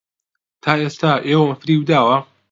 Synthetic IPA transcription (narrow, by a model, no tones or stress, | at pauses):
t̪ʰaːeːst̪aʔeːwɐmɐfɾiːwd̪aːwɐ